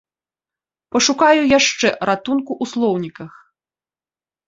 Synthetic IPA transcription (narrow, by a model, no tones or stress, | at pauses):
pɐʂukajujaʂt͡ʂɛɾat̪unkuʔuslˠɔwnʲikɐx